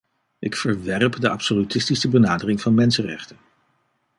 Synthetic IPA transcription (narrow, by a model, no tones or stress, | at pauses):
ʔɪkfəɹʋɛrpdəʔɑpsolytɪstisəbənaːdərɪŋvɑnmɛnsənrɛ̰χtən